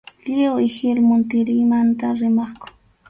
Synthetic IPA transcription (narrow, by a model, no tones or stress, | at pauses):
lɪoɪhɪlmʊnt̪ɪɾɪmant̪aɾɪmɑχkʊ̥